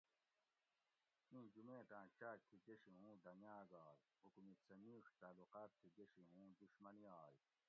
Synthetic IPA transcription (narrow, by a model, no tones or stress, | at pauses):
mĩːd͡ʑumẽːt̪ãːt͡ɕaːk̚t̪ʰiɡeɕĩũːd̪ɐmjaːɡaːɾ | hukumit̪sɐmiːʂt̪aːluqaːt̪̚k̪ʰːiɡeɕiɦũːd̪uɕmɐniaːj